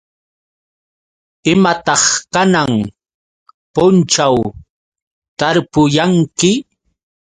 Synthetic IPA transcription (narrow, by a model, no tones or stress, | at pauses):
ɪmat̪ɑχkanaŋ | pʊnt͡ʃaw | t̪aɾpʊjaŋkɪ